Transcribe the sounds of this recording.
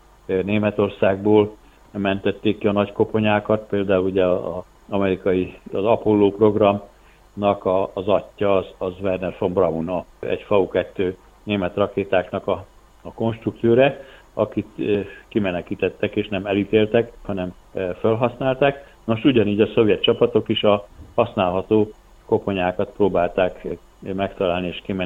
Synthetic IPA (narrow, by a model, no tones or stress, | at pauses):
neːmɛt̪o̞rsaːɡ̚boːl | mɛnt̪ɛt̪ːeːkːiɒnɒcko̞po̞ɲaːkɒt̪peːld̪aːuluɟɛ̰ | ɒmɛɾikɒjiɒzɒpolːoːpro̞ɡrɒm | nɒkɒːzɒtːɒːzɒzvɛrnɛrfo̞mbrɒunoɛ̰ɟfɒukɛt̪ːøː | neːmɛt̪rɒkeːt̪aːknɒkɒː | ko̞nʃt̪rukt̪soːɾɛ | ɒkit̪ːkimɛnɛkiːt̪ɛt̪ːɛkeːʃnɛmɛlit̪eːlt̪ɛkhɒnɛm | følɦɒsnaːlt̪aːk | no̞ʃuɟɒniːɟɒso̞vjɛt̪̚t͡ʃɒpɒt̪o̞kiʃɒhɒsnaːlɦɒt̪oː | ko̞po̞ɲaːkɒt̪proːbaːlt̪aːk | mɛkt̪ɒlaːlnieːʃkimɛ